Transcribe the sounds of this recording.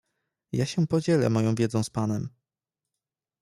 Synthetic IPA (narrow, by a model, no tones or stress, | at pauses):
jaɕɛpɔd͡ʑɛlɛ̰mɔjɔ̃w̃vʲjɛd̪zɔ̃w̃spanɛm